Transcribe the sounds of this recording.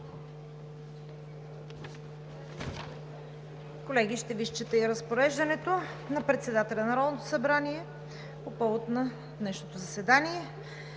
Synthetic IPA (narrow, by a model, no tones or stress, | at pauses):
kolɛɡ̟iʃt̪ɛviʃt͡ʃət̪ɛiɾəspoɾɛʒd̪ɐnɛt̪o | nɐpɾɛt̪sɛd̪at̪ɛlʲɛnɐɾɔd̪not̪o̥sɐbɾaniɛ | popɔvot̪nɐ | d̪nɛʃnot̪ozɐsɛd̪aniɛ